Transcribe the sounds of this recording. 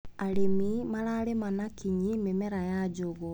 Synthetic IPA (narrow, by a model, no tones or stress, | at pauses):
aɾemimaɾaɾemanakiɲimemɛɾajad͡ʒoɣo